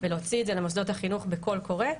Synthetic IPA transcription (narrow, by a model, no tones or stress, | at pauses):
veleot͡sidzelemos̬d̪o̞thaχinuχbeko̞lko̞ʁe̞